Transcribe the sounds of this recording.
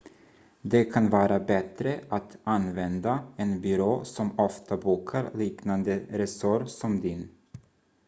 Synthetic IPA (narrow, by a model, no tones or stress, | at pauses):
d̪ɛkʰanvɑːɾabɛt̪ɾəʔat̪anvɛnd̪aɛnbʏɾoːsɔmɔft̪ʰabuːkʰaɾliːknand̪əɾɛsɔɾsɔmd̪ɪn